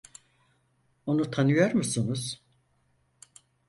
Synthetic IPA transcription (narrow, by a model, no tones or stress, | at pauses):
o̞nut̪ʰanɯjoɾmusunuz̥